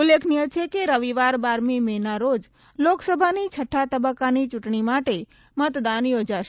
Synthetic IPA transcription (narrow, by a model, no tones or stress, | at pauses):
ʊlːekʰnijət͡ʃʰekeɾəʋiʋaɾbaɾmimenaɾod͡ʒ | loksəbʱanit͡ʃʰəʈʰːat̪əbəkːanit͡ʃʊʈɳimaʈe | mət̪d̪anjod͡ʒaʃe